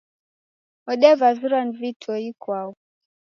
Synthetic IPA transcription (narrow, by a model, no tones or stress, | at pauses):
ɔɗɛvazuɾanvitʰwɔikwau